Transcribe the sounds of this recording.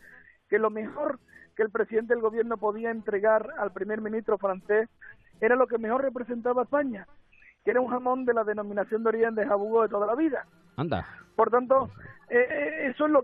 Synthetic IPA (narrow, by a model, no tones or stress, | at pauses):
ke̞lo̞me̞ho̞ɾke̞ːlpɾe̞siðe̞nt̪elɣo̞βje̞ɾno̞po̞ðiaent̪ɾe̞ɣaɾalpɾime̞ɾmĩnist̪ɾo̞fɾanθe̞s | e̞ɾalo̞k̬e̞me̞xo̞rre̞p̬ɾese̞nt̪̬aβaespaɲa | keɾauŋhamõ̞nd̪e̞laðe̞nõ̞mĩnaθjond̪o̞ɾie̞nd̪esaβuɣoðet̪o̞ð̞alaβiða | and̪a̰po̞ɾt̪ant̪o̞eesoelo